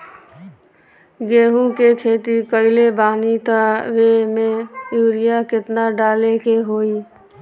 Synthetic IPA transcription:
ɡeːɦũkekʰeːt̪ikəɪlebaːnit̪aʋemẽjuːɾijakɪt̪naɖaːlekeɦoi

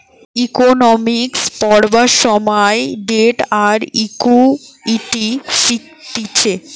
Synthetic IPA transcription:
ikonɔmikspɔɾbaʃɔmɔeɖeʈaɾikuiʈiʃik | t̪it͡ɕʰe

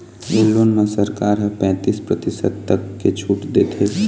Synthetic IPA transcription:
eːloːnmẽsəɾkaːɾɦəpɛ̃ːt̪iːspɾət̪ɪsəd̪̚t̪ɐkːet͡ʃʰuːʈd̪eːt̪ʰeː

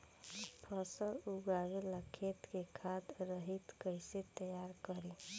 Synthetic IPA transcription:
pʰəsəluɡaːɾeləkʰet̪kekʰad̪ɾəɦit̪kəɪset̪əjaːɾkəɾe

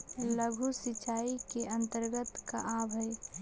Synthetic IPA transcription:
ləɡʱusit͡ʃaːikeə̃nt̪əɾɡət̪ka̰ʔaːbɦəj

